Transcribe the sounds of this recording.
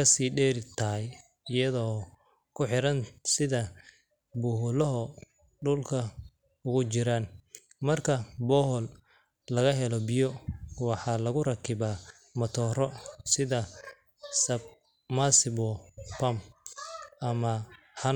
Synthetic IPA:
ɐsiːɖɛːɾɪt̪ʰɐɦɛj | ɪjɐðɔː | kʰʊħɪɾɐnsɪðɐ | bʊɦʊlɔɦɔ | ɖʊlkʰɐ | ʊɣʊt͡ʃɪɾaːn | mɐrkʰɐbɔːɦɔl | lɐɣɐɦɛlɔbɪjɔwɑħɑːlɐɣʊrɐkʰɪba | mɐt̪ʰɔːrɔsɪðɐ | sɐb̚ | masɪbɔpɐm | ʔɐmɐ | hɐn

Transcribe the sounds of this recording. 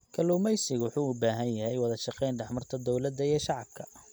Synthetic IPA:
kʰɐluːmɛjsɪɣwʊħuːʊbaːɦɐnjɐɦɛjwɑðɐʃɑqɛjnɖɐħmɐrt̪ʰɐd̪ɔwlɐd̪ːɐiɛʃɑʕɑb̚kʰɐ̥

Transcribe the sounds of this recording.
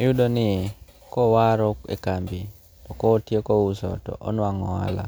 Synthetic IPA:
ejudonɪe | kɔwaɾɔkḛkambi | tɔkɔːtjekɔusɔ̰tɔ̰ʔɔ̰nwaŋɔa̰la̰

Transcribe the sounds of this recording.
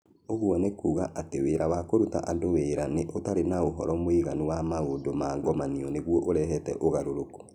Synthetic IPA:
oɣwɔnekuːɣaʔateweːɾawakoɾuta̰ʔandoweɾaneʔotaɾenaoɦɔ̰ɾɔmoiɣanuwamaondomaːŋɡɔmaniɔneɣwɔʔoɾɛɦɛtɛ̰ʔoɣaɾoɾoko̥

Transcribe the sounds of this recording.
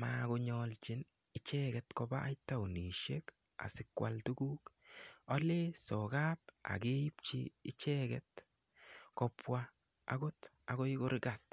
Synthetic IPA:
makʊɲɔlt͡ʃɪn | ɪt͡ʃɛɡɛtkɔbaʔːjtawniʃek | a̰sɪkwaltuɡuːkɔlesɔɡata̰keip̚t͡ʃḭɪt͡ʃɛɡɛt̚ | kɔpwa̰ː | ɡʊt | akɔɪkʊɾɪɡat̚

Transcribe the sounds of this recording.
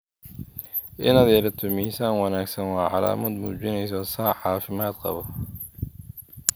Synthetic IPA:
ʔɪ̰nɐðɛːlɐt̪ʰʊmiːsaːnwɑnaːɡsɐnwɑːʕɑ̰la̰ːmɐd̪mṵːt͡ʃɪnɛjsɔːsɑːʕɑːfɪmaːd̪qɑ̰βɔ

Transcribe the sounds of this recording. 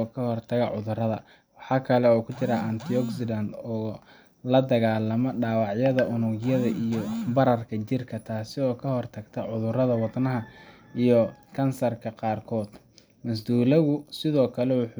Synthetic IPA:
ɔkʰɐhɔrt̪ʰɐɣɐʕʊðʊrɐðɐ̰ | wɑħɑːkʰɐlɛɔːkʰʊt͡ʃɪɾaɐnt̪ʰiɔɡsɪlɐnd̪ɔː | lɐd̪ɐɣaːlɐmɔɖaːwɑʕjɐðɐʔʊnʊɡjɐðɐʔijɔbɐɾɐrkʰɐt͡ʃɪrkʰɐt̪ʰaːsɪɔːkʰɐhɔrt̪ʰɐɡt̪ʰɐʕʊðʊrɐðɐwɑd̪nɐɦɐ | ijɔkʰɐnsɐrkʰɐqɑːrkʰɔːd̪ | mɐs̬d̪uːlɐɣʊsɪðɔːkʰɐlɛwʊħ

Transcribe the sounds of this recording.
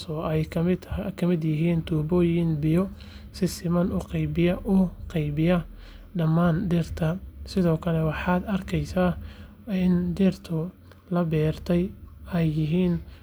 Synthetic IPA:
sɔɛjkʰɪkʰɐmɪd̪jɪɦiːnt̪ʰuːbɔːjɪnbɪjɔ | sɪsɪmɐnʊqɛjbɪjɐʔʊqɛjbɪjɐ | ɖɐmaːnɖɪrt̪ʰɐsɪðɔːkʰɐlɛwɑħɑːd̪ɐrkʰɛjsaː | ɪndɪrt̪ʰʊ | lɐbɛːrt̪ʰɛjɛjːɪɦiːn

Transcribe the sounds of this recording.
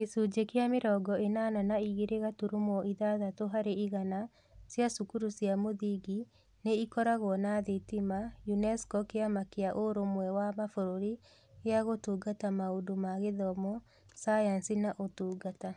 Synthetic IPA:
kesud͡ʒekeameɾɔɡɔenananaiɣeɾeɣatuɾumɔʔiðaðatoɦaɾeiɣana | sjasukuɾusjamoðiɡi | neikɔɾaɣwɔnaðetimajunɛskɔkeamakeaʔoɾomwɛwamafoɾoɾi | eaɣotuːɡatamaodomaɣeðɔmɔ | sajansinaʔotuːɡata

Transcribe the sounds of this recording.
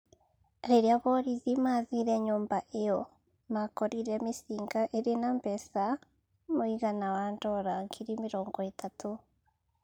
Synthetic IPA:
ɾeɾeaβɔɾiðimaːðiɾɛɲoːmbaʔejɔ | makɔɾiɾɛmesiːŋɡaʔeɾenambɛsa | moiɣanawandɔɾaŋkʰiɾimeɾɔːŋɡɔetʰatʰo

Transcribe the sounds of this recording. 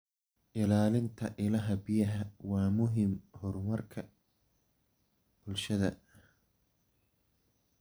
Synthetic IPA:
ʔɪlaːlɪnt̪ʰɐʔɪlɐɦɐbɪjɐɦɐwɑːmʊɦimhɔɾmɐrkʰɐ | b̥ʊlʃɐðɐ

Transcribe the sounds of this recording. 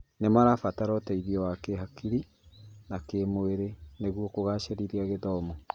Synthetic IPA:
nemaɾafataɾɔtaiðiɔwakeɦakiɾi | nakemoeɾeneɣwokoɣaʃeɾiɾiaɣeðɔmɔ

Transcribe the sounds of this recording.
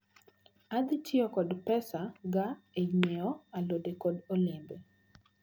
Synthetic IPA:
ad̪ɪtʰɪɔkɔdpɛsaɡaed͡ʒɲeɔalodekodolɪmbe

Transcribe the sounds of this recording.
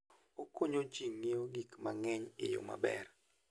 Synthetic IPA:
okoɲot͡ʃiŋːeoɡikmaŋɛɲḛjo̰ma̰bɛ̰r

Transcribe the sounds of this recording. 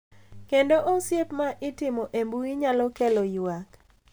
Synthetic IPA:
kendoʔosjepmaʔɪtɪmɔʔembuiɲalɔkelɔjʊak

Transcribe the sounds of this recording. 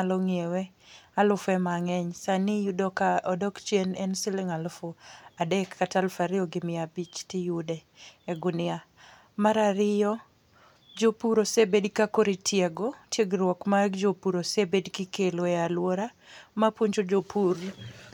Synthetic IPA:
aloŋiewɛ | alʊfɛmaŋɛɲsanijudɔkaɔdɔkt͡ʃjenɛnsɪlɪŋalʊfoadɛkʰːatalfaɾɪɔɡɪmɪabit͡ʃtɪjudɛː | ɡʊnɪa | maɾaɾɪjɔ | d͡ʒopuɾosebedkakoɾitʰjeɡotjeɡɾwɔkmaɡd͡ʒopuɾosebedkɪkeloɛalwoɾa | mapwoɲt͡ʃod͡ʒopʰuɾ

